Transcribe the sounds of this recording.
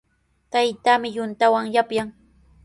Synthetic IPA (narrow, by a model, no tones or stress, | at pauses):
t̪ajt̪amɪjʊnt̪awaŋjapjaŋ